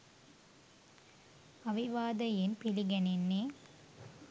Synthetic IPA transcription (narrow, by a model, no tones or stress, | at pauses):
ɐʋiʋaːd̪ɐjɪnpɪlɪɡɐnenːeː